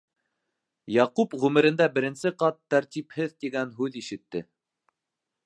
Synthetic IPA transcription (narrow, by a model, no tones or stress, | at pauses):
jɑqupʁʉmɘ̆ɾɘ̆nd̪æbɘ̆ɾɘ̆nsɘqɑt̪ːæɾt̪iphɘðt̪iɡænɦʉðiʃɘ̆t̪ːɘ